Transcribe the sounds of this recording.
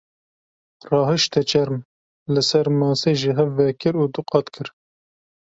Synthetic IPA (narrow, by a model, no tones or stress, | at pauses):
rɑːɦɨʃt̪ɛt͡ʃʰɛɾm | lɨsɛɾmɑːseːʒiɦɛvːɛkɨɾuːd̪uqɑt̪kʰɨɾ